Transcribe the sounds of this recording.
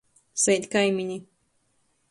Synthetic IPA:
sɛjt̪ʲkajmʲiɲi

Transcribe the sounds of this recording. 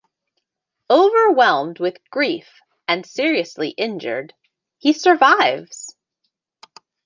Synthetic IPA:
oʊvə˞wɛlˠmd̚wɨðɡ̥ɹif | ɨ̃nsɪɹiɨslḭʔɪ̃nd͡ʒə̰˞d̚ | hisə˞vaɪvz̥

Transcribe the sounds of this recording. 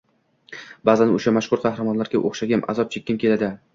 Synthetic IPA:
baːzanʊʃamaʃkʊɾqʰɑhɾamɒnlaɾɡʲaʔoχʃaɡʲamʔa̰zɒp̚t͡ʃʰekʲːɪmkʲe̞lad̪ɪ

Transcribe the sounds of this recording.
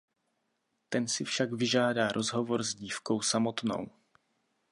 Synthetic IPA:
t̪ɛnsɪfʃaɡvɪʒaːdaːɾʔo̞zɦo̞vo̞ɾzɟiːfko̞wsamo̞t̪no̰w

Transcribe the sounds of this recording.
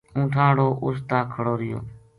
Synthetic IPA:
ũːʈʰãːɽoːʔʊst̪aːkʰəɽoːɾɪjo̰ː

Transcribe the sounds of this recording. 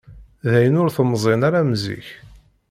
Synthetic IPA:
ðæjənʊɾθəmzˤenaɾamzḭç

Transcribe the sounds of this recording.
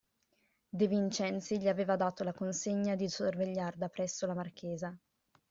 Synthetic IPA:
d̪evint͡ʃɛnt̪siʎiaveːvad̪aːt̪olakonseɲːad̪isorveʎːard̪apɾɛsːolamark̟eːza

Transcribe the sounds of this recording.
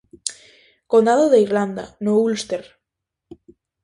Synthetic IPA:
kond̪aðoðeiɾland̪a̰noulst̪eɾ

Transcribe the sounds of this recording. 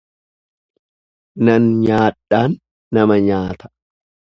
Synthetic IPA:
nɐnɲaːᶑaːnː | ɐmɐɲaːt̪ɐ̥

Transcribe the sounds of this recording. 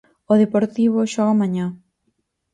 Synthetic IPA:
oðepoɾt̪iβoʃɔɣamaɲã

